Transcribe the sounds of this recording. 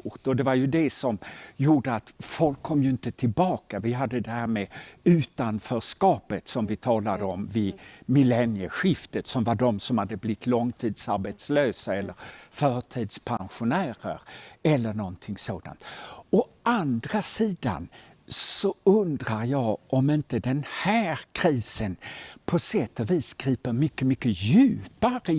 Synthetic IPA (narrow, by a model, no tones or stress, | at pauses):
t̪ɔd̪ɛvaɾjɵd̪ɛsɔmjuːɖəat̪fɔlkʰːɔmːjɵɪnt̪ət̪ʰɪlbɑːkavɪɦad̪ːəd̪ɛhæːɾmeʉ̟ːt̪anfœːʂkɑːpət̪sɔmvɪt̪ʰɑːlad̪əɔmvɪmɪlɛnjəɧɪft̪ət̪sɔmvaɖɔmsɔmhad̪ːəblɪt̪ʰːlɔŋt̪ʰiːd̪saɾbɛt̪sløːsaɛlːəɾfœːʈʰiːd̪spʰanɧʊnæːɾə̰ɾɛlːəɳɔnt̪ʰɪŋsoːd̪a̰nt̪ɔʔand̪ɾasiːd̪a̰n | sɔɵnd̪ɾaɾjɑːʔɔmɪnt̪əd̪ɛnhæːɾkʰɾiːsənpʰɔsɛt̪ːɔviːsɡɾiːpəɾmʏkːəmʏkːəjʉ̟ːpaɾ